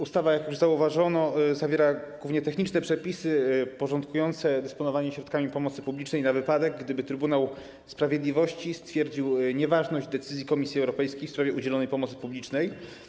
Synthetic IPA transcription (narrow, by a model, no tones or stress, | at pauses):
ust̪avajakjuʐzauvaʐɔnɔzavʲjɛɾaɡwuvɲɛt̪ɛxɲit͡ʂnɛpʂɛpʲisɘpɔʐɔnt̪kujɔnt̪sɛd̪ɛspɔnɔvaɲɛɕɾɔt̪kamʲipɔmɔt̪sɘ̥publʲit͡ʂnɛjnavɘpad̪ɛɡːd̪ɘbɘt̪ɾɘbunaw | spɾavʲjed̪lʲivɔɕt͡ɕist̪fʲjɛɾd͡ʑiwɲɛvaʐnɔʑd͡ʑd̪ɛt̪sɘzʲjikɔmʲisʲjiɛwɾɔpɛjskʲejfspɾavʲjɛud͡ʑɛlɔnɛjpɔmɔt̪sɘ̥publʲit͡ʂnɛj